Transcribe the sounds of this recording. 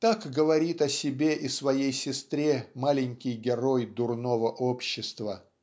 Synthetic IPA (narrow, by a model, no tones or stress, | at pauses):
t̪akɡəvɐɾʲit̪ɐsʲɪbʲe̞ʔisvɐjejsʲɪst̪ɾʲemalʲɪnʲkʲɪjɡʲɪɾo̞jd̪ʊrnovəʔopɕːɪst̪və